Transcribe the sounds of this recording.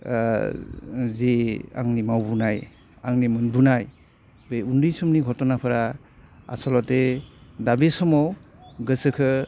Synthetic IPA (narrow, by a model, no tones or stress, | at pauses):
zea̰ŋnimawbunaj | aŋnimɯnbunaj | bejundɯjsumniɡʱɔtɔnapʰɯɾa | a̰sɔlɔtedabesɔmɔw | ɡɯsɯkʰɯ